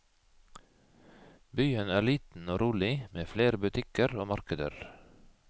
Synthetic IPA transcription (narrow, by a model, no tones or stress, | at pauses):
byːənæːɭiːt̪n̩oːɾuːlɪmeːfleːɾəbʉt̪ʰɪkəɾoːmɑɾkəd̪ə̰ɾ